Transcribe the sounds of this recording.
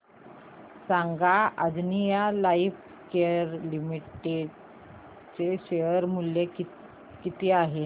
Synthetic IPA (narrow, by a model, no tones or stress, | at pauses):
saŋɡaəd͡znijalaif | keɾlimiʈeɖ | t͡seɕejəɾmuljeki | kit̪ʰeaɦe